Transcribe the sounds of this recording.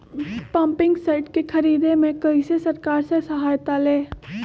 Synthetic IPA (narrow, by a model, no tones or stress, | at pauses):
pɐ̃mpɪ̃ŋɡsaɪʈkekʰɐɾiːd̪emẽkɐisesɐɾkaːɾsesɐɦaːjt̪aleː